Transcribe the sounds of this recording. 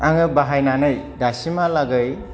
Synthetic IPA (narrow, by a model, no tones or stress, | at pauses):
aŋɯbaɦajnanɯjdasimalaɡɯj